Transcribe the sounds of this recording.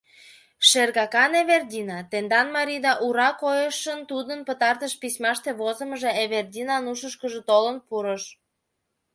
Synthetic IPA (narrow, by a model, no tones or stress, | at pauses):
ʃerɣɑkɑneβerdʲinɑt̪end̪ɑnmɑɾʲid̪ɑʔuɾɑkojəʃənt̪ud̪ənpət̪ɑrt̪əʃpisʲmɑʃt̪eβozə̆məʒeeβerd̪ʲinɑnuʃəʃkəʒĕt̪olənpuɾəʃ